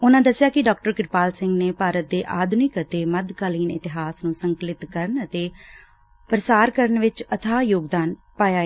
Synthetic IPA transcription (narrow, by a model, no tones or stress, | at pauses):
ʊnãːd̪əsːjaːkɪɖɔːk̚ʈəɾkɪɾpaːlsɪŋɡneːpaːɾət̪̚d̪eːʔaːd̪ʱnɪkət̪eːməd̪kaːliːnɪ̰t̪ɪɦaːsnũːsəŋklɪt̪kəɾənət̪eː | pəɾəsaːɾkəɾənʋɪt͡ʃət̪ʰaːjoːɡd̪aːn | paːjaː